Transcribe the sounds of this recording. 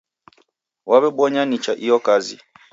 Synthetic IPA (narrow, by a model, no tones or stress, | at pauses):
waβɛbɔɲanit͡ʃaʔijɔkazḭ